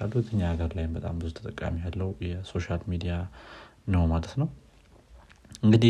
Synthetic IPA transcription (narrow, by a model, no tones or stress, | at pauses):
alːut̪ʰəɲːaːɡəɾlajɪmbət̪ʼa̰mbɨzut̪ʰət̪ʼəkʼːa̰mijalːəwjɛso̞ʃalmid̪ijanəwmad̪ət̪nəw | ʔɨŋɡɨd̪i